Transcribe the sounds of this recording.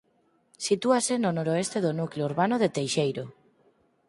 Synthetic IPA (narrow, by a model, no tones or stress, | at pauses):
sit̪uasenonoɾoest̪eðonukleouɾβanoðet̪ejʃejɾo